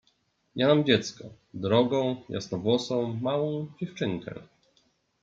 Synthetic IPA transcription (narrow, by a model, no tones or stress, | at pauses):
ɲɛnamd͡ʑɛt̪skɔ | d̪ɾɔɡɔ̃w̃ja̰snɔvwɔsɔ̃w̃mawɔ̃w̃d͡ʑɛft͡ʂɘŋkɛ̰